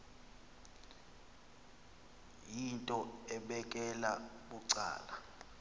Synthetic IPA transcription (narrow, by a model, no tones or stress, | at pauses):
jintʼɔɛɓɛkʼɛlaɓuǀa̰ːla